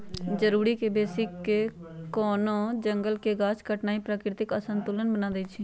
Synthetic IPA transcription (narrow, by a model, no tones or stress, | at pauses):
d͡ʒəɾuːɾiːkebeːsɪkekoːnõːd͡ʒəŋɡəlkeːɡaːt͡ʃkəʈnaːiːpɾaːkɾɪt̪ɪkəsənt̪ulənbənãːd̪eːt͡ʃʰiː